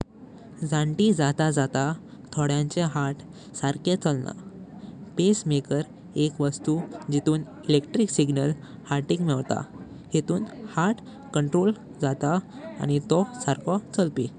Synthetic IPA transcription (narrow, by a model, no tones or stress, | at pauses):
d͡zãɳʈid͡zat̪ad͡zat̪at̪ʰɔɽjãɲt͡ɕeɦaʈ | saɾket͡səlna̰ | pesmekəɾ | ekʋəst̪ud͡ʑit̪uːn | ilekʈɾiksiɡnəl | haɾʈiːkmɛʋt̪a̰ | het̪uːnhaɾʈ | kəɳʈɾol | d͡zat̪a̰ː | ñit̪ɔsaɾkɔt͡səlpi